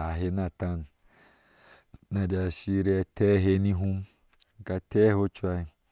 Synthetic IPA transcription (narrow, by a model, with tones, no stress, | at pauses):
a˨ɦe˧na˧˨ta˧n | nã˧˨da˧ʃi˧ɾɛ˧tʰɛ˦ɦe˧nĩ˧ɦũ˧˦m | ka˧tɛ˦ho˧˦t͡ʃwa˧i˧˨